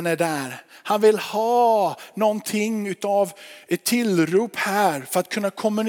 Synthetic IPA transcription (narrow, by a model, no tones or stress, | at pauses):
næɖæːɾhanvɪlhɑːnɔnt̪ʰɪŋʉ̟ːt̪ɑːvɛt̪ʰːɪlɾuːphæːɾfœɾat̪̚kʰɵnːakʰɔmːɵn